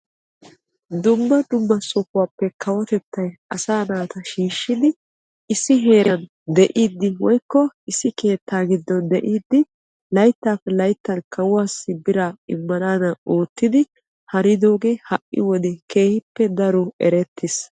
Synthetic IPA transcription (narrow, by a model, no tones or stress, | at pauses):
d̪ʊmːɐd̪ʊmːɐsɔkʊwaːpːɛkʰɐwɔt̪ɛt̪ːɐjɐsaːnaːt̪ɐʃiːʃːɪd̪ɪ | ɪsːɪɦe̞ːɾɐn | d̪ɛʔiːd̪ːɪwɔjkːɔɪsːɪke̞ːt̪ːaːɡɪd̪ːɔnd̪ɛʔiːd̪ːɪ | lɐjt̪ːaːpːɛlɐjt̪ːɐnkɐwʊwaːsɪbɪɾaɪ̰mːɐnaːnɐoːt̪ːɪd̪ɪ | hɐɾɪd̪o̞ːɡehɐʔːɪ̰wɔd̪ɛke̞ːhɪpːɛd̪ɐɾɔɛ̰ɾɛt̪ʰːɪs